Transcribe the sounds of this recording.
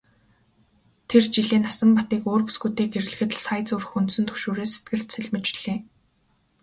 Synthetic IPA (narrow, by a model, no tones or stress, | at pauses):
t̪ʰert͡ɕiɮeːnasə̆mpat̪iːkoːrpu̥sɡuːt̪eːkeɾɘ̆ɮ̆xɘ̆t̪ɮsajt͡sɵr̆xunt̪sɘ̆nt̪ʰɵ̥ʃoːɾeːse̥t̪̚ɡɘ̆ɮt̪t͡sʰeɮmet͡ɕɮ̥eː